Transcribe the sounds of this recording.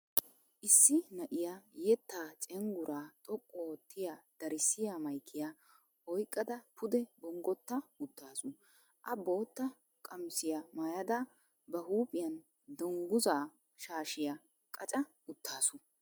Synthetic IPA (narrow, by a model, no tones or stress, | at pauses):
ʔɪsːɪnɐʔɪjajɛt̪ːaːt͡ʃʼɛŋɡʊɾʔaːt̪ʼɔkʼːɔt̪ːɪjad̪̥ɐɾɪsːɪjamɐjkʰːɪjaː | ɔjkʼːɐd̪ɐpʰʊd̪ɛbɔŋɡɔt̪ːɐʊt̪ʰːaːsʊ | ʔɐbo̞ːt̪ːɐ | kʼɐmsɪjɐmaːjɐd̪ɐ | bɐhuːpʼɪjɐn | d̪ɔŋɡʊzaː | ʃaːʃɪjɐ | kʼɐt͡ʃʼɐ | ʊt̪ːaːsʊ